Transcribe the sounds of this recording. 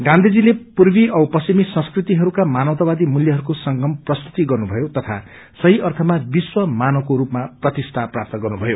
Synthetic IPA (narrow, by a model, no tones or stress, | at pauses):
ɡãnd̪ʱid͡zilepurbiʌwpʌsimisʌ̃skrit̪iɦʌɾukamanʌwt̪ʌbad̪imuljʌɦʌɾukosʌŋɡʌmprʌst̪ʰu̥t̪iɡʌrnubʱʌjot̪ʌt̪ʰa̰ | sʌɦiʔʌrt̪ʰʌmabiswʌmanʌkoɾupmaprʌt̪ist̪ʰaprap̚t̪ʌɡʌrnubʱʌjo